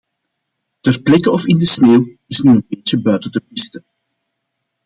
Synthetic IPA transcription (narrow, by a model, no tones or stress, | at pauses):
tərplɛkəɔfɪndəsneːw | ɪsnyənbeːt͡ʃəbœɥtədəp̚ɪstə